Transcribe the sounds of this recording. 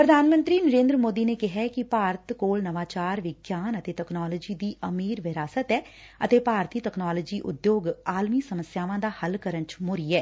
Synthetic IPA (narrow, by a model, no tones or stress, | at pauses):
pɾəd̪ʱaːnmə̃nt̪ɾiːnəɾẽːnd̪ɾəmoːd̪iːneːkɪɦɛːkɪpaːɾət̪koːlnəʋaːt͡ʃaːɾʋɪɡjaːnət̪eːtɛknaːləd͡ʒiːd̪iːʔəmiːɾʋɪɾaːsət̪ɛː | ə̰t̪eːpaːɾt̪iːtəknaːləːd͡ʒiːʔʊ̰d̪joːɡaːlmiːsəməsjaːʋãːd̪aːhəlkəɾənt͡ʃmʊɾiːɛː